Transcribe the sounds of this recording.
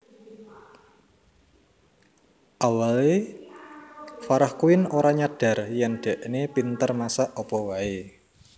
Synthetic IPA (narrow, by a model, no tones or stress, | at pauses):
ʔawale | faɾahkuɪnoɾaɲaɖ̥a̤rjɛŋɖ̥ɛ̤ʔnepint̪ərmasaʔɔpɔwae